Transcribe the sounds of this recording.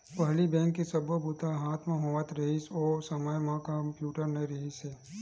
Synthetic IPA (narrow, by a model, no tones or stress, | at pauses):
pɐɦlibɛ̃ːŋkːisɐbobʊt̪aɦaːt̪ʰmãɦoːət̪ɾɐɦisoːsəməjmãkɐmpjuːʈəɾnɐɾɐɦiseː